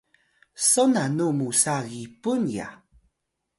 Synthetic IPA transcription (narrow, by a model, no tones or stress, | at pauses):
sonanumusaɣipunja̰